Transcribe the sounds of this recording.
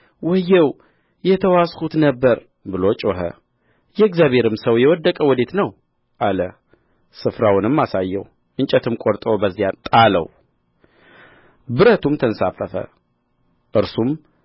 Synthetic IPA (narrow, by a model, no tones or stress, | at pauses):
wɔjːɛw | jɛt̪ʰəwashut̪nəbːəɾ | bɨlo̞t͡ʃʼoɦə̰ | jɛɪɡzjaβʱe̞ɾɨmsəwjɛwɔd̪ːəkʼəwɔd̪e̞t̪nəw | ʔalə | sɨfɾawʊnɨmːasajːɛw | ʔɨɲt͡ʃʼɛt̪ʰɨmkʼoɾt̪ʼobəzːijat̪ʼalə̰w | bɨɾət̪ʰumt̪ʰənsafːəfə̰ | ʔɨɾsum